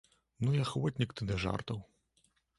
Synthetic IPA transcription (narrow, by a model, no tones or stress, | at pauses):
nujaxvɔtʲnʲikt̪ɨnɛʐa̰rt̪ɐw